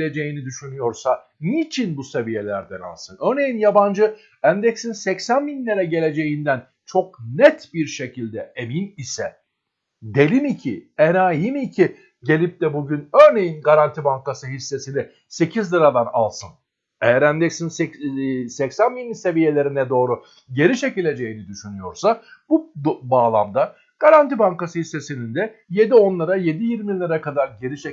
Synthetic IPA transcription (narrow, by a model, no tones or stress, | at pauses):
le̞d͡ʒe̞jinid̪yʃynyjo̞ɾsa | nit͡ʃʰinbuse̞vije̞lʲæɾd̪æna̰lˠsɯnøɾne̞jinjaband͡ʒɯ | æmd̪ɛcsinsɛcsænminʲlʲeɾɛɟe̞lʲe̞d͡ʒe̞jind̪æn | t͡ʃʰo̞k̚nɛt̪biɾʃe̞cʰilʲd̪ɛeminisɛ | d̪e̞lʲimicʰienaːjimicʰi | ɟe̞lʲip̚t̪ɛbuɟynøɾne̞jinɡaɾant̪ʰibaŋkasɯɦisːe̞sini | se̞cʰizlʲˠɯɾad̪ˠana̰lˠsɯn | e̞jæɾænd̪ɛcsinsɛsɛcsænminise̞vije̞lʲe̞ɾinɛd̪o̞ːɾu | ɟe̞ɾiʃe̞cilʲːe̞d͡ʒe̞jinid̪yʃynyjo̞ɾsab̥ubaːlˠa̰md̪a | ɡ̥aɾant̪ʰibaŋkasɯhisːe̞sinind̪ɛ | je̞d̪io̞nlˠaɾaje̞d̪ijiɾmilːʲaɾakʰad̪aɾɟe̞ɾiʃe